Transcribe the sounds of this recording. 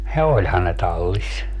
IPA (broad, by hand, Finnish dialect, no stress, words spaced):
jɑ olʲhɑn ne tɑlːis